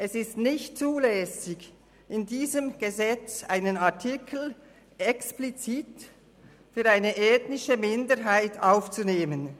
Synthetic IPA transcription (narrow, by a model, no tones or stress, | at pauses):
ʔɛsɪstnɪçtt͡suːlɛːsɪɡ | ɪndiːzəmɡ̥əzɛt͡sʔa̰ɪnənatʰikʰl̩ | ʔɛksplit͡siːt | fyːɐɾaɪnəʔɛːtnɪʃəmɪndəɾɦaɪtaʊft͡suneːmən